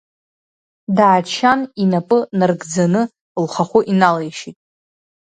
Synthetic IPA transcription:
daːt͡ʃʰaninapʼɨnarɡd͡zanɨ | lχaχʷʊʔinalejʃitʼ

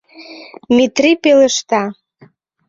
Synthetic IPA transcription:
mit̪ripelə̆ʃt̪ɑ

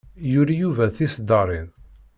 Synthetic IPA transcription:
jʊɾajuvæθisd̪ɑɾˤin

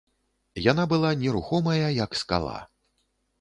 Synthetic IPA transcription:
janabɨlˠanʲɛɾuxɔmɐjɐjɐkska̰lˠa̰

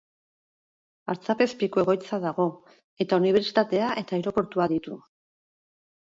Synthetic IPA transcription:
a̰ɾt͡sape̞spikoe̞ɣo̞jt͡saðaɣ̞o̞ | e̞t̪auniβ̞e̞ɾt͡si̥t̪at̪e̞aʔe̞t̪aeɾo̞ko̞ɾt̪uaðit̪u

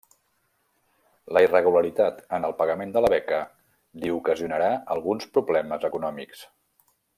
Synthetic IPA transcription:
ləirəɣ̞uləɾit̪at̪ənəlˠpəɣəmend̪ələβɛkə | liukəziunəɾaəlˠɣunspɾuβlɛməzəkunɔmiks

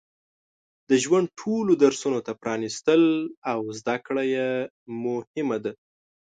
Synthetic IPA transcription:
d̪əʒwaɳɖ̪̚ʈʰolod̪aɾsunot̪apɾɑnist̪əlawzd̪akɽaje | mʊhɪmad̪a

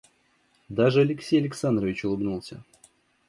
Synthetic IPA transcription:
d̪aʐɨɐlʲɪksʲejɐlʲɪksand̪ɾəvʲɪt͡ɕʊlˠɨbnulˠsʲə̰

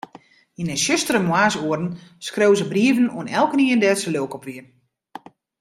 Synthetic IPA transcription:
inɛsøstərəmwaːsuərən̩skrewzəbriəvənṵənɛlˠkəniːəndɛsəløːkɔpʋiən

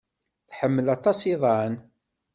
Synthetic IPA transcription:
θħəmːəlɑt̪ˤɑsiðˤɑən

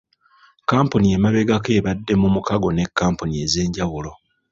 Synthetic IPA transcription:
kaːmpunie̞maβe̞ɡake̞ːβadːe̞mumukaɡo̞ne̞kːaːmpunie̞ze̞ːɲɟawulo̞

